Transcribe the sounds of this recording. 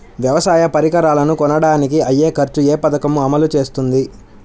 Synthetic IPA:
ʋjɐʋɐsaːjɐpɐɾikɐɾaːlɐnukɔnɐɽaːnik̬iɐjːeːkɐɾt͡ʃueːpɐd̪ɐkɐmuɐmɐlut͡ʃe̞ːst̪und̪i

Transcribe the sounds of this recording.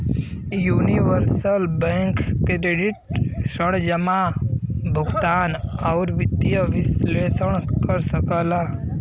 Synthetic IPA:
juːniʋəɾsəlbɛ̃ːŋkkɾeɖɪʈ̚səɽd͡ʒəma | bʱuɡt̪aːnɔːɾʋɪt̪ːijəʋɪsleːsəɽ̃kəɾsəkəlaː

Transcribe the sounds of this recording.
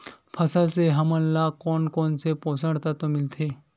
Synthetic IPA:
pʰɐsaseɦɐmənlaːkɔːnkɔːnsepoːsəɽt̪at̪omɪlt̪ʰeː

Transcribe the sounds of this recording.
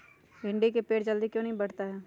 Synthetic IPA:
ɦɪ̃ɳɖikepeːʈd͡ʒəld̪ikjõːnɐɦĩbɐɽ̤t̪aɦɛː

